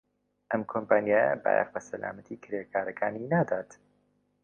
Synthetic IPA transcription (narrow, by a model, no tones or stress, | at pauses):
ʔɐmkʰompaːnijaːjɐ̰ba̰ja̰qbɐsɐla̰ːmət̪ʰiːkʰɪɾekʰaːɾɐkʰaːninad̪aːt̪